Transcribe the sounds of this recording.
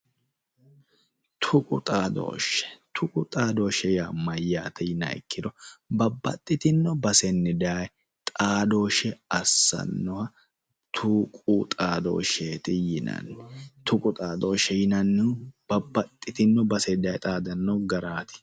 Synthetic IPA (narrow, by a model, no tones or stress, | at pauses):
t̪ʰʊkʼʊt̪ʼaːd̪o̰ːʃɛ̥t̪ʰʊkʼʊt̪ʼaːd̪o̞ːʃɛjamɐjːaːt̪ɛjɪnɐ̰ɪ̰kːɪd̪ɔbɐbːɐt̪ʼːɪt̪ɪnːɔbɐsɛnːɪd̪aːj | t̪ʼaːd̪o̞ːʃɛɐsːɐ̰nːɔhɐ | t̪ʰuːkʼuːt̪ʼaːd̪o̰ːʃeːt̪ɪjɪnɐ̰nːɛt̪ʰʊkʼʊt̪ʼaːd̪oːʃɛjɪnɐnːɛb̥ɐbːɐt̪ʼːɪt̪ɪnːɔbɐsɛd̪ɐːjt̪ʼaːd̪ɐnːɔɡɐɾaːt̪ɪ̥